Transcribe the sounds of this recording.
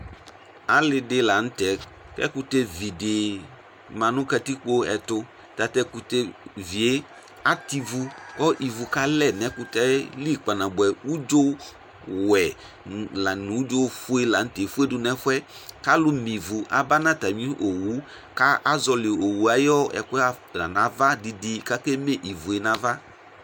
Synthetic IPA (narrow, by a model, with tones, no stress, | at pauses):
a˨lɪ˨dɪ˦la˨ñ̩˦t̪ɛ˨ | kɛ̰˦ku˦t̪e˦vi˨dɪ˨ | mã˨nʊ̃˦ka˦t̪i˦k͡po˦ɛ̰˨t̪ʊ˦ | t̪a˨t̪ɛ˦ku˦t̪e˦vi˨e˦ | a˦t̪i˦vu˦kɔ˦ʔi˨vu˨ka˦lɛ˦˨nɛ̃˨ku˦t̪ɛ˦li˦k͡pa˨nã˨bɛ˨u˦d͡ʒo˦ | wɛ˨ | la˨nũ˨u˦d͡ʒo˦fu˦e˦la˨n̩˦te˨fu˦e˦dʊ˦nɛ̃˦fwɛ˦ka˦lʊ˦mĩ˨vu˨ʔa̰˨ba˦nã˦t̪a˨mĩ˦ʔo˨wu˨˦ | ka˦ʔa˦zɔ˨lɪ˨o˨wu˨a˨jɔ˦ɛ̰˨kʊ˦a˦ | la̰˨nã˨˦va˦di˨di˦ka˦ke˦me˦ʔi˨vu˨e˨nã˦va˦